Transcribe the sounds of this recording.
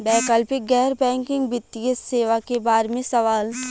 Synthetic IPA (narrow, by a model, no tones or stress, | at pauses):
bɛːkəlpɪk̚ɡɛːɾbɛ̃ːŋkɪ̃ŋɡbɪt̪ːijeseːʋakebaːɾmẽsɐʋaːl